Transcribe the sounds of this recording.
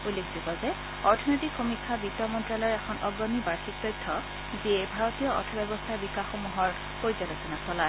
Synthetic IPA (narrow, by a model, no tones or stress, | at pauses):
ulːekʰzibɔzɛ | ɔɹtʰɔnojtikxomikʰːabitːɔmɔntɹalɔjɹɛxʰɔnɔɡɹɔmibaɹxik̚t̪ɔjtʰːɔ | ziɛbʱaɹɔtijɔɔ̰tʰɔbɛbɔstʰaɹbikaxomuɦɔɹ | poɹzaɾɔsɔnasɔlae